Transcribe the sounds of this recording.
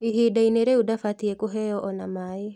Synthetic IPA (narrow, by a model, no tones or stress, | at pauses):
iɦidaineɾeudafatiɛkoɦɛjɔʔɔnamae